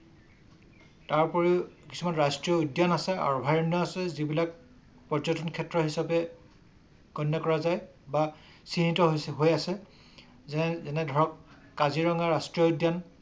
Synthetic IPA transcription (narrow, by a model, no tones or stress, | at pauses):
taɹpɔɹiki̥sumanɹastɹijɔudjanasɛa̰ɹubʱajɔnːɔasɛzibilak̚ | pɔɹzɔtɔnkʰɛtɹɔɦisapɛ | kɔnjɔkɔɹazaj | ba | sinitɔɦɦojasɛ | zɛnɛdʱɔɹɔkː | aziɹɔŋaɹastɹiɔudjan